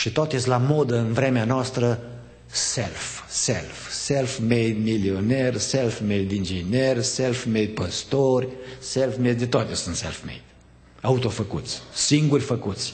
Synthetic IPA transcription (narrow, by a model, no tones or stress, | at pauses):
ʃit̪oot̪esʲlamod̪əɨnvɾemeanoast̪ɾə | selfsḛlfselfmejd̪milionerʲselfmejd̪ind͡ʒinʲerʲselfmejd̪̚pəst̪orʲselfmed̪d̪et̪oat̪esunt̪sḛlfmḛjd̪̥ | aut̪ofəkut̪sʲsiŋɡurʲfəkut̪sʲ